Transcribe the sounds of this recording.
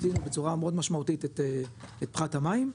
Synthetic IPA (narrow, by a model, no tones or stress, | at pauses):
dinubet͡suʁamod̪maʃmaut̪it̪et̪eet̪̚pχathamaim